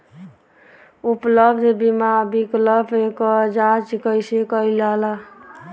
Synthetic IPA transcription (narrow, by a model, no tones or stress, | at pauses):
upləbd̪ʱbimabikləbʱekɔd͡ʒãt͡ʃkəjsekəilala